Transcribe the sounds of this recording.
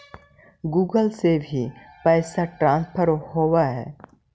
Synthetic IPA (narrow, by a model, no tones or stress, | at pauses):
ɡuːɡəlsebʱi | pɛːsaʈɾãːnspʰəɾhoːʋaɦɛ̰ː